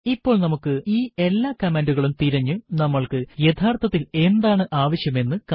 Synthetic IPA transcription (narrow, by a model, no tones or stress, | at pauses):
ipːo̞ːɭnɐmukːɨiːe̞lːaːkɐmenduɣɐɭumt̪iɾɐɲːunɐmːɐɭkɨjet̪ʰaːrt̪ʰɐt̪ːile̞nd̪aːɳɨʔaːʋɐɕjɐme̞nːɨk